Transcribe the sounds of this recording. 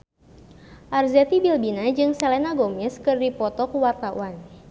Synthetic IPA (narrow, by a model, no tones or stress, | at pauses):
ʔarzɛt̪ibilbinad͡ʒɨŋsɛlɛnaɡɔmɛskɨrdipɔt̪ɔkuwart̪aṵan